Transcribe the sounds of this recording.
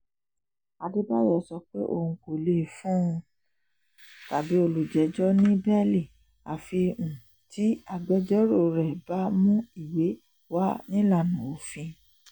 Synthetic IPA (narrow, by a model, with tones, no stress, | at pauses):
a˧di˦ba˦jɛ˦˨˦sɔ˧k͡pḛ˦ʔo̰˧˨ũ˧ko˨le˦˨fũ˦˧ | ta˨bi˨˦o˧lu˨d͡ʒɛ˨˦d͡ʒɔ˦nĩ˦bɛ˦li˦˨ | a˨fi˧ũ˨ | ti˨˦a˧ɡ͡bɛ˧˦d͡ʒɔ˦ɾo˦˨ɾɛ˨ba˨˦mũ˦i˦˨we˨˦ | wa˦nĩ˦la˦˨nũ˨o˨fĩ˧